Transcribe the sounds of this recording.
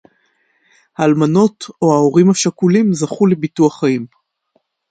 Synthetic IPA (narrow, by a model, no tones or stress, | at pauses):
haːlmano̞to̞hao̞ʁimhaʃakulimzaχulebituaχaim